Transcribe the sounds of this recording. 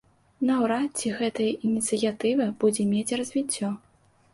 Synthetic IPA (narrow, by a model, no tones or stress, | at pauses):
nɐwɾat͡sʲːiɣɛt̪ɐjɐʔinʲit̪sɨjat̪ɨvɐbud͡zʲɛmʲet͡sʲrɐzʲvʲit͡sʲːɔ